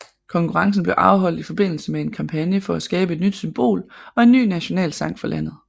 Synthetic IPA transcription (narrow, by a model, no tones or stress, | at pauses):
kʰɒ̽ŋkʰuʁɑ̈ŋs̬n̩b̥leʊʔɑ̈ʊɦɒ̽l̰d̥ifɒ̽b̥e̝n̰l̩səmee̝nkʰɑ̈mpʰænjəfɒ̽æsɡ̥ɛːb̥əe̝d̥nyd̥symb̥o̝̰ːlɒ̽e̝nːy̰ːnæɕo̝nɛ̰ːlsɑ̈ŋ̰̥fɒlʔæn̰ð̞̩ˠ